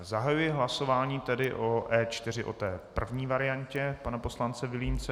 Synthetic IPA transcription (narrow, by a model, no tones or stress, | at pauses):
zaɦajujɪɦlaso̞vaːɲiːt̪ɛdɪʔoʔɛːt͡ʃt̪ɪr̝ɪʔo̞̰t̪ɛːpr̩vɲiːvaɾɪjaɲcɛpanapo̞slant͡sɛvɪliːnt͡sɛ